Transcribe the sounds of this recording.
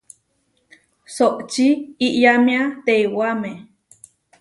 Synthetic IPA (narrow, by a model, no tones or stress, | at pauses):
soʔt͡ʃiiʔjamĩat̪ewamẽ